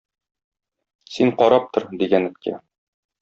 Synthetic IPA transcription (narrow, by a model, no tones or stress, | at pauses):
siɴqɒɾɑp̚t̪ʰɤɾd̪iɡænɘ̆t̪̚kæ̰